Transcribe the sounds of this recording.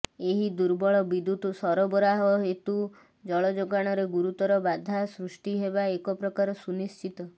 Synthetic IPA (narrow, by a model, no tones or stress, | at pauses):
eɦid̪uɾbɔɭɔbid̪ut̪usɔɾɔbɔɾaɦɔɦet̪u | d͡ʒɔɭɔd͡ʒoɡaɽ̃ɔɾeɡuɾut̪ɔɾɔbad̪ʱasɾusʈiɦebaekɔpɾɔkaɾɔsunist͡ʃit̪ɔ